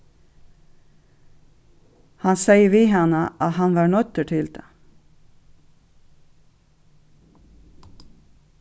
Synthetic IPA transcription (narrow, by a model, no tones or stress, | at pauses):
hɑnseɪəʋiːhɑnəʔɑɦɑnʋɑːɳœt̪əʈʰɪlt̪ʰɑ̰